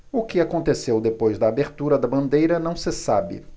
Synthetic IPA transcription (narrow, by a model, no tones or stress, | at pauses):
ʊkɪakõnt̪esewd̪epojzd̪ɐːbeɾt̪uɾɐd̪ɐbɐ̃nd̪ejɾɐnɐ̃w̃sɪsabɪ̰